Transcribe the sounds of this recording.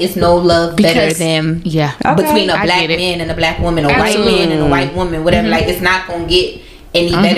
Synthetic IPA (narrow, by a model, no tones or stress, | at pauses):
ɨtsnoʊlʌvbɾə˞ðɨ̃njæbɨtʰw̥ĩnəblæmæ̃nɨ̃nɨblækwɪ̃mɨ̃nəwaɪt̚mɛ̃nɨ̃nəwaɪt̚wʊ̃mɨ̃nwʌɾɛvə˞laɪkɨtsnət̚ɡ̥oʊnəɡɛɾ | ɛnibɛɾ